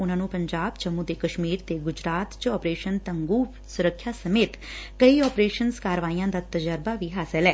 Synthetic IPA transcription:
ʊnãːnũːpəɲd͡ʒaːbt͡ʃəmũd̪eːkəʃmiːɾt̪eɡʊd͡ʒɾaːt̪t͡ʃɔːpɾeːʃənt̪əŋɡuː | sʊɾəkʰːjaːsəmeːt̪kəiɔːpɾeːʃənskaːɾəʋaːiːãːd̪aːt̪əd͡ʒəɾbaːʋiːɦaːsəlɛː

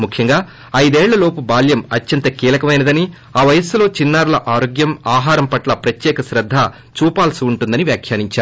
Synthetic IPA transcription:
mukʰjɐŋɡaː | ɐjd̪ɛːɭːɐlo̞ːpubaːljɐmɐt͡ʃːɐnt̪ɐkiːlɐkɐmɐjnɐd̪ɐni | aːʋɐjɐslo̞ːt͡ʃinːaːɾulɐʔaːɾoːɡjɐmaːɦaːɾɐmpɐʈlɐpɾɐt̪jɛːkɐʃɾɐd̪ʱːa | t͡ʃuːpaːlsuuɳʈund̪ɐniʋjaːkʰjaːniɲt͡ʃaːɾu

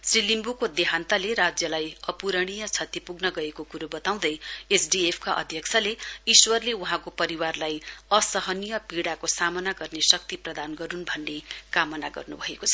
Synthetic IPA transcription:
srilimbukod̪eɦant̪aleɾad͡zjʌlajʌpuɾʌɽ̃ijʌt͡sʰʌt̪ːipuɡnʌɡʌekokuɾobʌt̪aw̃d̪ʌjesɖiepʰkaʔʌ̰d̪ʱjʌkt͡sʰʌleiswʌrleuɦãkopʌɾiwarlajʌsʌɦʌnijʌpiɽakosamʌnaɡʌrnesʌk̚t̪iprʌd̪anɡʌɾunbʱʌnːekamʌnaɡʌ̰rnubʱʌekot͡sʰʌ

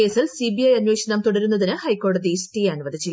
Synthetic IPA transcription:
e̞ːsilsibijɐjɐɲweːʂɐnɐmt̪uɽɐɾunːɐðinɨhɐjko̞ːɖɐðisʈijaːnʋɐd̪ʱit͡ɕːi

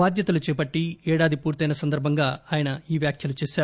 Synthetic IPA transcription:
aːd̪jɐt̪ɐlut͡ʃɛːpɐʈːiɛːɽaːd̪ipuːɾt̪ɐjnɐsɐnd̪ɐɾbʱɐŋɡaːaːjɐnɐiːʋjaːkʰjɐlut͡ʃɛːʃaːɾu

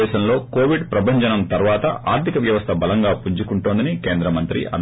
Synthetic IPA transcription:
ɛːʃɐmlo̞ːkoːʋiɖpɾɐbʱɐɲd͡ʒɐnɐmt̪ɐɾʋaːt̪ɐ̰ʔʔa̰ːɾt̪ʰikɐʋjɐʋɐst̪ʰɐbɐlɐŋɡaːpuɲt͡ʃukuɳʈoːnd̪inikeːnd̪ɾɐmɐnt̪ɾḭʔɐ̰n

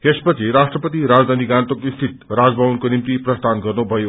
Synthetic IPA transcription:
espʌt͡sʰiɾasʈrʌpʌt̪iɾad͡zd̪ʱaniɡant̪okist̪ʰit̪ɾad͡zbʱabunkonimt̪iprʌst̪ʰanɡʌrnubʱʌjo

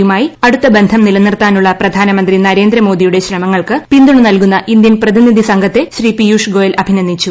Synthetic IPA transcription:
jumaːjiɐɽut̪ːɐbend̪ʱɐmnilɐnːirt̪aːnuɭːɐprɐd̪ʱaːnɐmɐnd̪rinɐɾe̞ːnd̪ɾɐmo̞ːd̪ijuɽe̞ɕrɐmɐŋːɐɭkɨpind̪uɳɨnɐlkunːɐʔind̪jɐnprɐðinid̪ʱisɐŋɡʱɐt̪ːe̞ɕriːpijuːʂɡo̞ːjɐlʔɐbʱinɐnd̪ʱit͡ɕːu

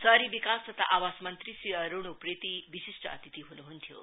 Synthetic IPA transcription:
sɐɾiʋikaːst̪ɐt̪ʰa̰ʔaʋaːsmɐnt̪ɾisiɐɾoɳ̃upɾet̪iʋisiʂʈɐɐ̰t̪it̪iɦunuɦunt̪ʰjo̰

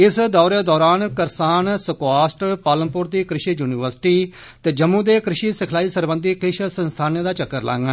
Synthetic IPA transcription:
ɪsd̪ɔːɾeːd̪ɔːɾaːnkəɾsaːnsəkoaːsʈpaːləmpʊɾd̪iːkɾɪʃiːjuːnɪʋəɾsʈiː | t̪eːd͡ʒəmːũːd̪eːkɾɪʃiːsəkʰlaːiːsəɾbənd̪iːkɪʃsənst̪ʰaːneːd̪aːt͡ʃəkːəɾlã̰ːŋɡə

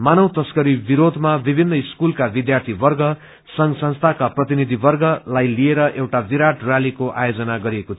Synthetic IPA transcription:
manʌwt̪ʌskʌɾibiɾod̪ʱmabibʱinːʌiskulkabid̪jart̪ʰibʌrɡʌ | sʌŋɡsʌ̃nst̪ʰakaprʌt̪inid̪ʱibʌrɡʌlajlieɾʌʔewʈabiɾaʈralikoʔa̰jod͡zʌnaɡʌɾiekot͡sʰ

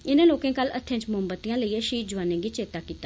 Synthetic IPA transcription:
ɪnãːloːkẽːkəlːət̪ʰːẽt͡ʃmʊmbət̪ijãːləiːɛʃiːd͡ʒʊʋaːnẽːɡiːt͡ʃeːt̪aːkiːt̪aː

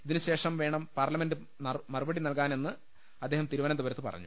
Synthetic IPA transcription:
iðinɨɕe̞ːʂɐmʋe̞ːɳɐmpaːrlɐmendɨ | nɐmɐrubɐɽinɐlkaːne̞nːɨ | ɐd̪ːe̞ːhɐmt̪iɾuʋɐnɐmd̪ubɐɾɐt̪ːɨpɐ̰rɐ̰ɲːu

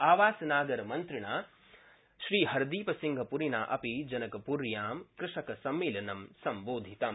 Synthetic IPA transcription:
aːʋaːsɐnaːɡɐɾɐmɐnt̪ɾiɳaː | ʃɾiːɦɐɾd̪iːpɐsiŋɡʱɐpuɾinaːʔɐpid͡ʒɐnɐkɐpuɾjaːmkɾɪʂɐkɐsɐmːiːlɐnɐmsɐmboːd̪ʱit̪ɐm

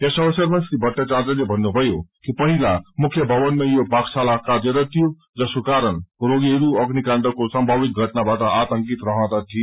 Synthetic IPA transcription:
jasʌbʌsʌrmʌnsɾibʱʌʈːʌt͡sat͡sʌlebʱʌnːubʱʌjokipʌɦilamukʰjʌbʱʌbʌnmajobʱaksalakaɾeɾʌt̪ʰijo | d͡zʌskokaɾʌnroɡiɦʌɾuʌɡnikaɳɖʌkosʌmbʱabik̪̚ɡʱʌʈnabaʈʌʔat̪ʌŋkit̪rʌɦʌ̃t̪at̪ʰie

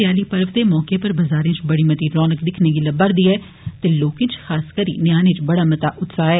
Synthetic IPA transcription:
jaːliːpəɾʋd̪emɔːkepəɾbɐzaːɾẽt͡ʃbɐɽimət̪iːɾɔːnəkd̪ɪkʰneɡilɐbːaɾd̪iːɛː | t̪eloːkɪ̃t͡ʃxaːskəɾḭːnɪjaːnẽt͡ʃbɐɽaːmɐt̪aʔʊt̪saːɦɛː

